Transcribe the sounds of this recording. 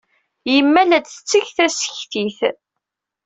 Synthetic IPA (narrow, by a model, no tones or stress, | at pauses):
jəmːælæd̪θt͡sːəçθæsə̥çθiθ